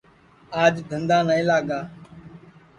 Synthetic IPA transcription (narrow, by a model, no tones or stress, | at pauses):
aːd͡ʒd̪ʱə̃nd̪aːnəːĩːlaːɠaː